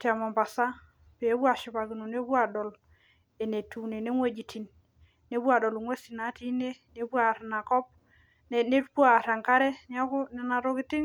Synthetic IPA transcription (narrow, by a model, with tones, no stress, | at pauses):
ti˦a˨ma˨mba˨sa˦ | pe˨˦bwa˨ʃi˨ba˨ɡi˨no˨ne˦bwa˨dɔ˨l | e˨ne˨tu˨ne˨ne˦ŋwe˦d͡ʒi˨tʰi˨n | ne˦bwa˨dɔ˨lu˨ŋwe˦si˨na˨˦ti˦ne˦ne˨˦bwa˨ɾna˨kɔ˦p̚ | n˨ne˦ba˦˨ɾa˨ŋka˦ɾɛ˦n˦a˦kʊ˦nɛ˨na˨ɾo˦ki˦tɪ˦ŋ